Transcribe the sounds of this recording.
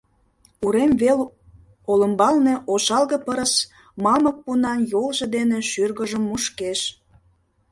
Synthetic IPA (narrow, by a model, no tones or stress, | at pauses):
uɾemvel | olə̆mbɑlne̽ʔoʃɑlɣə̆pəɾəs | mɑmək̚punɑnjolʒed̪eneʃyrɣəʒəmːuʃkeʃ